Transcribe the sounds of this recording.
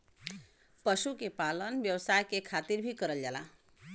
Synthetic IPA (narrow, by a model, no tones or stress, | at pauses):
pəʃukepalənbjəwsajkekʰat̪iɾbʱikəɾəld͡ʒala